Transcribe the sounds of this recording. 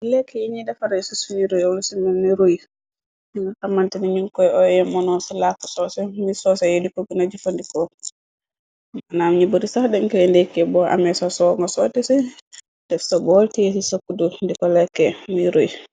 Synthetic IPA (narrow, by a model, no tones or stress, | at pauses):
lɛkːɛjiɲidɛfaɾaɛsusuniɾojawlusimɛnniɾoj | iŋɡakamːantɛniɲuŋkɔjɔjɛmːɔnɔsɛlakɔ̥sɔsɛmisɔsɛjedikɔɡunad͡ʒifondikɔ | anamiɲiboɾisahdɛŋkɛlɛndɛkːɛbɔʔa̰mɛsɔsɔŋɡɔsɔtɛsɛ | d̥ɛfsɔbɔltɛsisokːudundikɔlɛkːɛmiɾoj